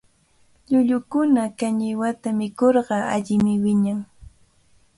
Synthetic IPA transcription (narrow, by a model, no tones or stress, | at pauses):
ʎʊʎʊkʊnakaɲɪwat̪amɪkoɾɢɑa̰ʎɪmɪwɪɲaŋ